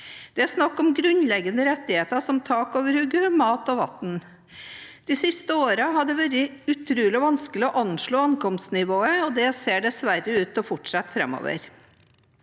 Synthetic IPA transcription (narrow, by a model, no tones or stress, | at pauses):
d̪̥ɛæɾʂnɑkːɔmɡɾʉnlɛɡːənəɾɛt̪ːɪheːt̪əʂɔmt̪ʰɑːkoːʋəɾhʉɡəmɑːt̪ɔʋɑt̪n | d̪̥ɪsɪst̪əoːɾəɦɑd̪ɛʋæɾəʉt̪ʰɾʉːlɪɔʋɑnskəlɪɔʔɑnʂɭoːɑnkɔmsnɪʋoːəɔd̪ɛseːɖɛsʋæɾːəʉːt̪ɔfɔʈʂɑt̪ːfɾɛ̰mo̰ːʋə̰ɾ